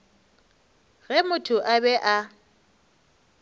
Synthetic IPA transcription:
ɣɛmʊtʰʊʔabɛʔa

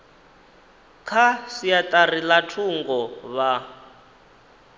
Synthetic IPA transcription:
kʰasiatʼarilatʰuŋɡɔβa

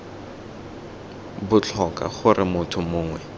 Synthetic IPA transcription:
bʊt͡ɬʰɔka̰χʊrɪmʊtʰʊmʊːŋwɛ

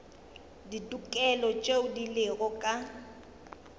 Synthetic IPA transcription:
ditʼukʼɛlɔt͡ʃʼeʊdilɪɣɔkʼa

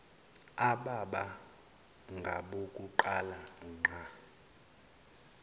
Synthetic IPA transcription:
aɓaɓa | ŋɡʱa̰ɓokʼuǃalaŋ͡ǃʱa

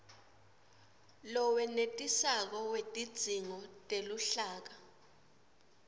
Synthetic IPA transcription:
lɔwɛnetʼisak̬ɔwetʼid̥z̥ʱiŋɔtʼeluɬaːk̬a

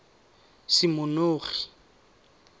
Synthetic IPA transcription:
sɪmʊnoːri

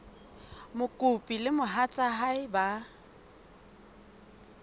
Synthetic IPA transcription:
mʊkʼʊpʼilɪmʊɦat͡sʼaɦaɪba

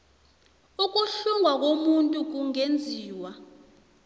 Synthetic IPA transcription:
uk̬ʼuɬuŋwak̬ʼomuntʼuk̬uŋend͡zʱiːwa

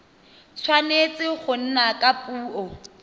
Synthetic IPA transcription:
sʰwanet͡sʼɪχʊn̩nakʼapʼuːɔ

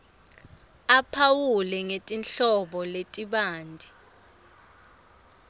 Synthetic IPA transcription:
apʰawulɛŋetʼinɬɔɓɔletʼiɓaːndʱi

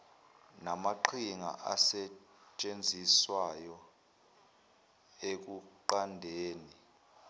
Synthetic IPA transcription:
namaǃʰiŋa̰ʔa̰sɛ | t͡ʃʼend͡zʱiswajɔ | ek̬ʼuǃandʱeːni

